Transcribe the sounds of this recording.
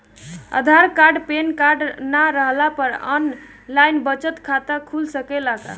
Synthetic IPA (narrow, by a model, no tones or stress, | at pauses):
ə̰d̪ʱaɾkaɾɖpenkaɾɖnaɾəɦlapəɾə̰n | lajnbət͡ʃət̪kʰat̪akʰulsəkelaka̰